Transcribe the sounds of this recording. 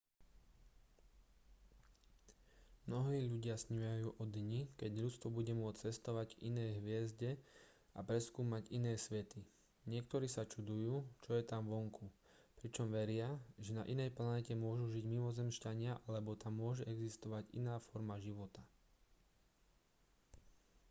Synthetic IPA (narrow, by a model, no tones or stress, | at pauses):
mnɔɦiːʎuɟɪasɲujajuːʔɔd̪ɲikɛɟʎut͡st̪ʋɔbuɟɛmʊɔt͡st͡sɛst̪ɔʋaɟvʔḭnɛːɦʋɪɛzɟɛ | apɾɛskuːmaɟinɛːsʋɛt̪i | ɲɪɛkt̪ɔɾiːsat͡ʃud̪ujuːt͡ʃɔjɛt̪amʋɔŋkʰu | pɾit͡ʃɔmʋɛɾɪaʒɛnaʔinɛjplanɛcɛmʊɔʒuʒiɟmimɔzɛmʃcaɲɪaʔalɛbɔt̪amːʊɔʒɛɛɡzist̪ɔʋaɟḭnaːfɔɾmaʒiʋɔt̪a